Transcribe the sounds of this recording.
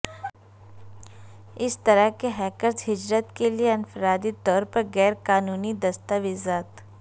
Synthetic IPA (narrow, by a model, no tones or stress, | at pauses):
ɪst̪ɐɾəɦkeɦɛːkəɾzɦɪd͡ʒɾət̪kelieɐ̃nfəɾaːd̪it̪ɔːɾpɐɾɣɛːɾkaːnuːnid̪ɐst̪aʋɪzaːt̪